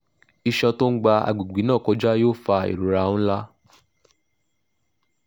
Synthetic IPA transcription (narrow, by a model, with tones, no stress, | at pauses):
i˧ʃã˧to˦n̩˦ɡ͡ba˧a̰˨ɡ͡bu˨ɡ͡bi˨˦nã˦˨kɔ˨˧˦d͡ʒa˦joː˦˨fa˧ḛ˨ɾu˨ɾa˨˧˦ũ˦la˦